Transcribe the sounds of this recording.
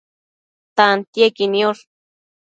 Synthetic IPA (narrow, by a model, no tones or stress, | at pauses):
t̪ant̪jekiniol